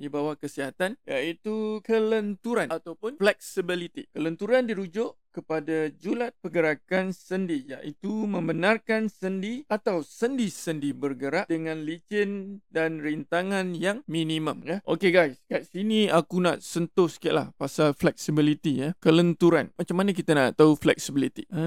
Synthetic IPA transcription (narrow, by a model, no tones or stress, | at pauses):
dibawakəsiɦat̪anjaʔit̪ukələnt̪uɾanat̪awpʊnflɛk̚sibilit̪ḭkələnt̪uɾandiɾud͡ʒʊʔkəpadad͡ʒulat̪̚pəɡəɾakansəndijaʔit̪umə̃mbənarkansəndiat̪awsəndisəndibərɡəɾaʔdəŋãnlid͡ʒɪndanrint̪aŋãnjaŋmĩnĩmə̃mjəʔo̰keɡajskaʔ̪sinĩakuna̰ʔsənt̪ʊhsə̥kia̰ʔla̰hpasalflɛk̚sibilit̪ijəkələnt̪uɾanmãt͡ʃamːanak̬it̪anaʔt̪auflɛ̰k̚sibilit̪ḭə